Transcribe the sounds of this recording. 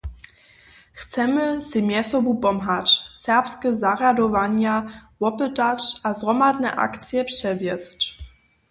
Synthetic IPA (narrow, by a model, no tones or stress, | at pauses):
xt̪sɛmɘsɘmʲjɛsɔbupɔmɦat͡ɕsɛʁpskʲɛzaʁad̪ɔvaɲawɔpɛtat͡ʂʔazʁɔmad̪nɛ̰ʔa̰kt̪sʲjɛpʂɛvʲjɛst͡ɕ